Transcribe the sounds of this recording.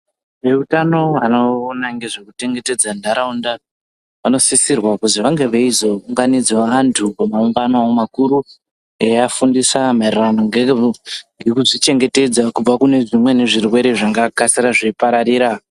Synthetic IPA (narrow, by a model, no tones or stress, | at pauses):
ʐe̞utano̞ʋanoːnaŋɡe̞ʐe̞kute̞ŋɡe̞te̞d͡zandʱaɾaunda | ʋano̞sisirwakuziʋaŋɡe̞ʋeizouŋɡanid͡zaantʰupamauŋɡanoaomakuɾu | ejafundisamarranoŋɡeŋɡe̞kuʐit͡ʃe̞ŋɡe̞te̞d͡zakub͡vakune̞ʐimwe̞ne̞ʐirwe̞ɾe̞ʐaŋɡakasiɾaʐiipaɾaɾiːɾa